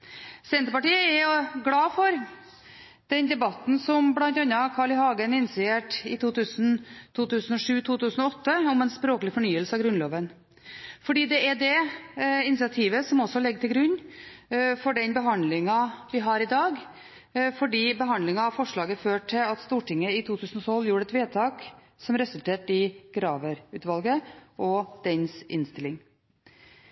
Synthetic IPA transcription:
sɛnt̪ɾəpɑʈiːəɛɾjʊɡlɑːfɔɾ | d̪̥ɛnd̪ɛbɑt̪ːn̩sɔmblɑnt̪ɑnːɑkʰɑːɭɪhɑːɡənɪnsɪeːʈɪt̪uːt̪ʰʉːsənt̪ʰuːt̪ʉːsənɔʂʉːt̪ʰuːt̪ʉːsənɔɔt̪ʰːəɔmɛnspɾoːklɪfɔɳyːəlsəɑʋɡɾʉnloːʋən | fɔɖiːd̪ɛɛɖɛ | ɪnɪsɪɑt̪ʰiːʋəsɔmɔsːɔlɛɡːt̪ʰɪlɡɾʉnː | fɔɖɛnbəɦɑnd̪lɪŋɑʋɪɦɑɾɪd̪ɑːɡ | fɔɖiːbəɦɑnd̪lɪŋɑɑʋfɔʂɭɑːɡəføːʈʰːɪlɑt̪st̪uːʈɪŋːəɪt̪ʰuːt̪ʰʉːsənɔt̪ʰɔlːjuːɖəɛt̪ʋeːt̪ʰɑːk | sɔmɾɛsʉlt̪ʰeːʈɪɡ̥ɾɑːʋəɾʉːt̪ʋɑlɡəʔɔd̪̥ɛnsɪ̰nst̪ɪlːɪŋ

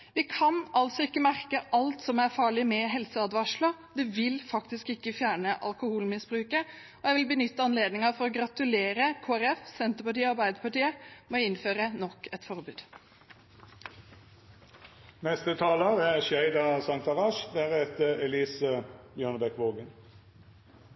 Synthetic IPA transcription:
ʋɪkʰɑnʔɑlt̪sɔɪkːəmæɾkəʔɑlt̪sɔmæɾfɑːɭɪmɛɦɛlsəɑd̪ʋɑʂɭɑd̪ɛʋɪlfɑkt̪ɪskɪkːəfjæːɳəʔɑ̰lkʊhuːlmɪsbɾʉːkə | ɔjæɪʋɪlbənʏt̪ːəɑnleːd̪nɪŋɑfɔɾɔɡɾɑt̪ʉleːɾəkʰoːæɾɛfsɛnt̪əɾpɑʈiːɑɾbæɪd̪əɾpɑʈiːəmɛɔɪnføːɾənɔkːɛt̪fɔɾbʉːd̪̥ | nɛst̪ət̪ʰɑːləʁæʃjæɪd̪ɑsɑŋt̪ɑʁɑʃd̪æʁɛt̪əɛliːsəbjøːnəbɛkʋoːɡən

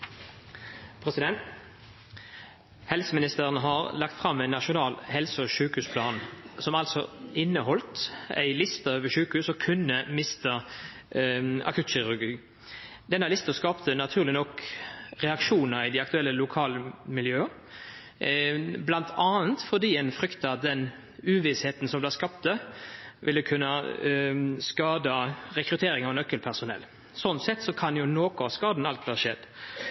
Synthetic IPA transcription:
pʰʁɛsɪd̪ɛnt̪ | hɛlsəmɪnɪst̪əʁənɦɑʁlɑk̚t̪fʁɑmːæɪnːɑʃʊnɑːlhɛlsəɔʃʉːkhʉːspʰlɑːnsɔmɑlsɔɪnːəhɔlt̪æ̰ɪlɪst̪əøːʋəʃʉːkəhʉːsɔkʰʉnːəmɪst̪ə | ɑ̰kʰʉːt̪ʃɪʁʉɡiː | d̪ɛnːəlɪst̪əskɑːpt̪ʰənɑt̪ʰʉːʁlɪnɔkɾɛɑkʂuːnəɾɪd̪ɛɑkt̪ʉɛlːəlʊkʰɑːləmɪljøːə | blɑnt̪ʰɑːnt̪fɔd̪iːɛnfɾʏkt̪əɑt̪̚d̪ɛn | ʉːʋɪsheːt̪n̩sɔmblɛːskɑp̚t̪əʋɪlːəkʰʉnːə | skɑːd̪əɾɛkɾʉt̪ʰeːɾɪŋɑʋnœkːəlpʰæʁsʊnɛ̰lː | sɔnt̪sɛt̪ːsɔkʰɑnjʊnoːkʊɑʋskɑːd̪nɑlt̪̚d̪ɛhɑʃɛd̪

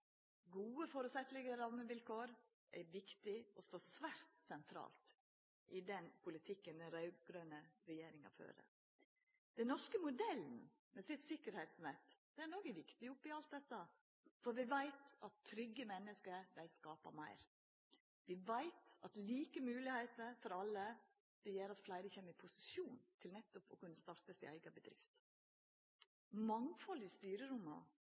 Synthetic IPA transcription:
ɡuːəfoːɾʉsɛt̪lɪɡəɾɑməʋɪlkʰoːɾ | ʔæ̰ɾʋɪkt̪ɪɔst̪oːsʋæɾt̪sɛnt̪ʰɾɑ̰ːlt̪ | ʔɪd̪ɛnpʰʊlɪt̪ʰɪkːənd̪ɛnɾɑʉɡɾœnəɾɛjeːɾɪŋɑ̰fø̰ːɾə̰ | d̪̥ɛnɔʂkəmʊd̪ɛln̩ | mɛsɪt̪sɪkːəɾhæɪt̪smɛt̪ːd̪̥ɛænoɡəʋɪkt̪ɪʊpːɪɑlt̪̚d̪ɛt̪ːə | fɔɾʋɪʋæɪt̪ɑt̪ʰːɾʏɡːəmɛnːəskəɾd̪æɪskɑːpɑ̰mæɪɾ | ʋɪʋæɪt̪ɑt̪liːkəmʉːlɪhæɪt̪əɾfɔɾɑlːə | d̪̥ɛjɛːɾɑt̪flæɪɾəçɛmːəɪpʰʊsɪ̥suːnt̪ʰɪlnɛt̪ːʊpɔ̰kʉnːəst̪ɑɾt̪əsɪ̰æɪɡɑbəd̪ɾɪ̰ft̪ | mɑŋfɔlɪst̪yːɾəɾʊmɑ̰

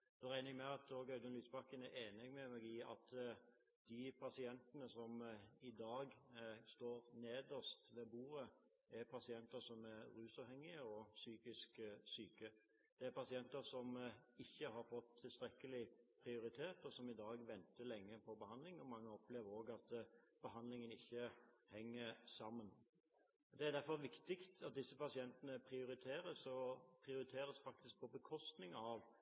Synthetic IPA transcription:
d̪ɛɾæɪnɪŋmɛɑt̪oːɡœʏd̪ənlyːsbɑkːənæɾeːnɛɡmɛmɛːɡɪɑ̰t̪ | d̪̥ɪpʰɑsɪɛnt̪ənəsɔmɪd̪ɑːɡst̪oːɾneːd̪əst̪ʋeːbuːɾə | æɾpʰɑsɪɛnt̪əsɔmæɾɾʉːsɑːʋhɛŋːɪəɔsyːkɪsksyːkə | d̪̥ɛæɾpʰɑsɪɛnt̪əɾsɔmɪçːəɦɑɾfɔt̪ʰːɪlst̪ɾɛkːəlɪpʰɾɪʊɾɪt̪ʰeːt̪ɔsɔmɪd̪ɑːɡʋɛnt̪əlɛŋːəpʰɔbəhɑnd̪lɪŋɔmɑŋːəɔpleːʋəɾoːɡɑt̪b̥əɦɑnd̪lɪŋənɪçːəhɛŋːəɾsɑmːən | d̪ɛæɾd̪æɾfɔɾʋɪkt̪ɪkt̪ɑt̪̚d̪ɪsːəpɑsɪɛnt̪ənəpʰɾɪʊɾɪt̪ʰeːɾəsɔpʰɾɪʊɾɪt̪ʰeːɾəsfɑk̚t̪ɪsk̚pʰɔbəkʰɔst̪nɪŋɑʋ

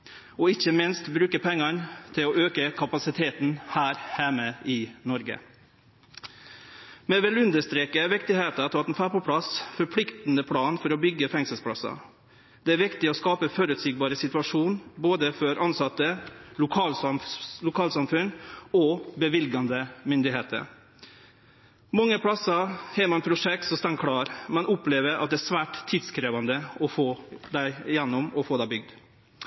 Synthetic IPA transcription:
ɔɪçəmɪnst̪bɾʉːkəpʰɛŋːɑnt̪ʰɪlɔʔøːkəkʰɑpɑsɪt̪ʰeːt̪n̩hæːɾhæməɪnɔɾɡə̰ | mɛʋɛlʉnd̪əst̪ɾeːkəʋɪkt̪ɪheːt̪ɑt̪ʰɑːt̪ɛn̩fæːpɔpʰɽɑsfɔɾpʰlɪkt̪n̩əpʰlɑːnfɔɾɔbʏɡːəfɛŋsəlspʰɽɑsɑ̰ | d̪̥ɛæɾʋɪkt̪ɪɔskɑːpəfɔɾʉt̪siːɡ̚bɑːɾəsɪt̪ʋɑʂuːnboːd̪əfɔɾʔɑnsɑt̪ːəlʊkʰɑːllʊkʰɑːlsɑmfʉnɔbəʋɪlɡɑnd̪əmʏnd̪ɪheːt̪ʰə̰ɾ | mɑŋːəpʰɽɑsɑhɛːmɑnpʰɾʊʂɛk̚t̪sɔst̪ɑŋkʰɽɑːɾmɛnʔʊpleːʋəɾɑ̰t̪d̪ɛæːʂʋæːʈt̪ʰːiːd̪skɾeːʋɑnd̪əɔfoːd̪æɪjɛnːʊmɔfoːd̪æɪbʏɡ̚d̪

